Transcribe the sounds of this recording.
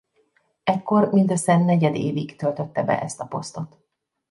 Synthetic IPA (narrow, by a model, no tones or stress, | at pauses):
ɛkːo̞rmint̪øsɛnːɛɟɛd̪eːviɡt̪ølt̪ø̞t̪ːɛbɛ̰ʔɛst̪ɒpo̞st̪o̞t̪